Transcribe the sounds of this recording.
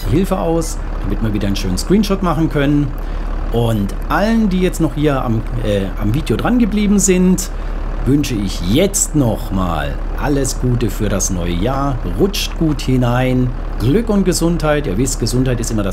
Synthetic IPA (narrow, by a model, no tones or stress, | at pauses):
hɪlfəʔa̰ʊs | d̥amɪtmiːɐviːdɐnʃøːnənskʁ̥iːnʃɔtmaχn̩kʰœnən | ʔʊnt | ʔaləndiːjɛt͡stnɔχhiːɐa̰mʔɛːʔa̰mviːdjodʁanɡəbliːbm̩zɪnt | vʏnʃəɪçjɛt͡stnɔχma̰ːl | ʔaləsɡ̥uːtəfyːɐɾasnɔʏəjaːɐ | ʁʊt͡ʃtɡ̥uːthɪnaɪn | ɡ̥lʏkʊnt̚ɡ̥əzʊnthaɪtaːɐvɪstɡ̥əzʊnthaɪtɪstʔɪmɐɾas